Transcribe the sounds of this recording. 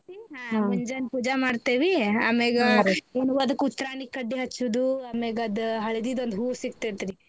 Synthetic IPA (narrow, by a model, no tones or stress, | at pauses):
iaɦmiɲd͡ʒɐnpuːd͡ʒamaːɖt̪eːʋiaːmeːɡeːnuʋɐd̪ɐkːut̪ːɐɾaːnikkɐɖːiɦɐt͡ʃːud̪uɐːmeːɡɐd̪ɦɐɭed̪id̪ond̪ɦuːsikt̪et̪ɾi